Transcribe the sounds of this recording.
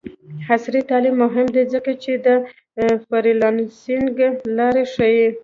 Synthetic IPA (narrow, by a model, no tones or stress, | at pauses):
hasɾit̪ɑlimːʊɦɪmd̪ezəkat͡ʃed̪ə | faɾilɑnsiŋɡlɑɾeʂəji